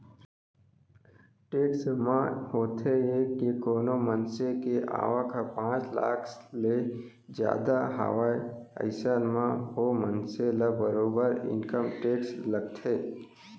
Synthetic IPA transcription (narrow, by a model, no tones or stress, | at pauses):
ʈeːksmãhoːt̪ʰeekikoːnomənsekeʔa̰ːʋəkʰapãːt͡ʃla̰ːkʰle | d͡ʒja̰ːd̪aɦa̰ʋaːjə̰ɪsaːnmãɦomənselabəɾoːbəɾɪ̰nkəmʈeːksləɡ̚t̪ʰeː